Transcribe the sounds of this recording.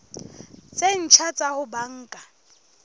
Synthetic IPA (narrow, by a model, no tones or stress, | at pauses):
t͡sʼen̩t͡ʃʰat͡sʼahʊbaŋ̩ːkʼa